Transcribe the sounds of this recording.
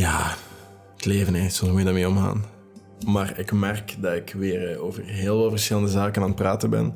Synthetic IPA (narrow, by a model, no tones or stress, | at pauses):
jaː | tleːvənɛsɔmsmujədameːɔmɣa̰ːn | maːrɪkmɛrkdɑtɪkʋeːroːvərɦeːlˠʋɑlˠvərsxɪləndəzaːkənaːnpraːtəbɛ̰n